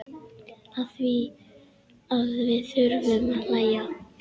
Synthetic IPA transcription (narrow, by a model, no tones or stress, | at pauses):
aðθvi | aðvɪðθʏɾvʏmalaːja